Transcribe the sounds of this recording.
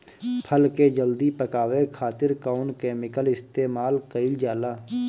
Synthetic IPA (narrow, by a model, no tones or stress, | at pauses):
pʰəlked͡ʒəld̪ipəkaːʋekʰaːt̪ɪɾkaːʊnkɛːmɪkəlɪst̪eːmaːlkəɪld͡ʒaːlaː